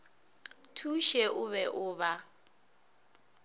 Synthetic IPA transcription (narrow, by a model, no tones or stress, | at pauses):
tʰuʃɛʔʊβɛʔʊːβa